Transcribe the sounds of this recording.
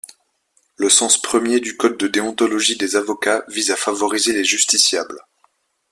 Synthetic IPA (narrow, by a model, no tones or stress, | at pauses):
ləsɑ̃spχəmjed̪ykɔd̪̚ːəd̪eɔ̃t̪ɔlɔʒid̪ezavɔkavizafavɔʁizeleʒyst̪isjabl